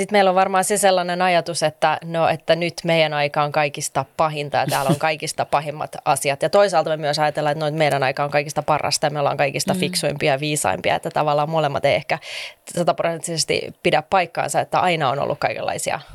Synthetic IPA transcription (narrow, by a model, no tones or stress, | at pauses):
sit̪meilːoʋʋɑrmɑːnseselːɑnenɑjɑt̪uset̪ːænoet̪ːænyt̪meijænɑikɑːoŋkɑikist̪ɑpɑɦint̪ɑjɑ̰t̪æːloŋkɑikist̪ɑpɑɦimːɑ̰t̪ɑsiɑt̪jɑt̪oisɑːlt̪ɑmemyøsɑjɑt̪elːɑet̪noit̪meiɾænɑikɑːoŋkɑikist̪ɑpɑrɑ̰st̪ɑjɑmeolːɑ̰ŋkɑikist̪ɑfiksuimpiɑʋiːsɑ̰impiɑ̰et̪ːæt̪ɑʋɑlːɑːmolemːɑ̰t̪ḛiehkæsɑt̪ɑprosent̪ːisest̪ḭpidæppɑikːɑ̰ːnsɑet̪ːæʔɑinɑo̰no̰lːṵkkɑikḛlːɑ̰isiɑ̰